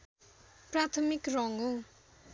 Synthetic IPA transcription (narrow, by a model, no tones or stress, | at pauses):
prat̪ʰʌmikrʌŋo